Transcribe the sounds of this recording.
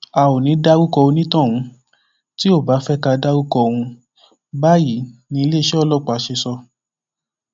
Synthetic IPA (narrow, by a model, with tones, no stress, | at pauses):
a˨wo˨nĩ˨˦da˦wu˦kɔ˧o˧nĩ˦tã˦˨w̃ũ˧ | ti˦o˦˨ba˨˦fɛ˦ka˧da˦wu˦kɔ˧w̃ũ˧ | ba˦ji˨˦nĩ˧le˦˨ʃɛ˦ɔ˦˨lɔ˦˨k͡pa˨˦ʃe˧sɔ˧